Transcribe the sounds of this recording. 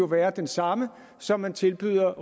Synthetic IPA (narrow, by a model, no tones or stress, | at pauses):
o̝ʋæːɐd̥ensɑ̈mə | sɒ̽mːænt͡sʰe̝lb̥y̰ːð̰ˠɐ